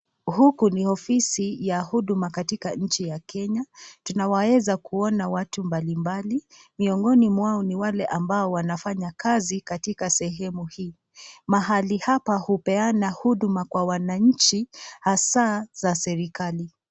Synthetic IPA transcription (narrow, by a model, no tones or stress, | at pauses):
hukunihɔfisijahuɗumakatikaɲ̩t͡ʃijakʰɛɲatunawawɛzakuɔnawatumbalimbalimiɔŋɡɔnimwaɔniwalɛʔambaɔwanafaɲakazikatikasɛɦɛmuhiː | maɦalihapahupɛanahuɗumakwawanaɲ̩t͡ʃihasazasɛɾikali